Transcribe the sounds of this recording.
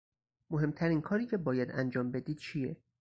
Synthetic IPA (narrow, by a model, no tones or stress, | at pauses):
moɦe̞mt̪ʰæɾiːnkʰɒːɾiːcʰe̞bɒːjæd̪ænd͡ʒɒːmbe̞d̪iːd̪̥̚t͡ʃʰije